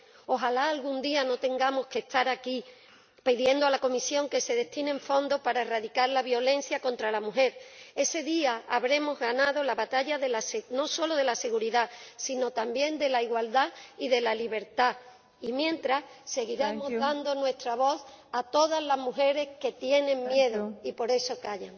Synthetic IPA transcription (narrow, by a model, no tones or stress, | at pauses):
o̞ɦalaːlɣund̪iano̞t̪e̞ŋɡamo̞ske̞st̪aɾaki | piðje̞nd̪oalako̞misjo̞ŋke̞se̞ðe̞t̪ine̞ɱfo̞nd̪o̞paɾae̞raðikaɾlaβjo̞le̞n̟θjako̞nt̪ɾalamuɦe̞ɾe̞se̞ðiaaβɾe̞mo̞zɣanaðo̞laβat̪aʎaðe̞lasno̞so̞lo̞ðe̞lase̞ɣuɾiðasino̞t̪ambje̞nd̪e̞laiɣwald̪aiðe̞laliβ̞e̞ɾt̪a | imjẽ̞nt̪ɾas | se̞ɣiɾemo̞zðand̪o̞nwe̞st̪ɾaβ̞o̞θ | at̪o̞ðazlazmuɦe̞ɾe̞ske̞t̪je̞nẽ̞ŋmje̞ðoipo̞ɾe̞so̞kaʝaŋ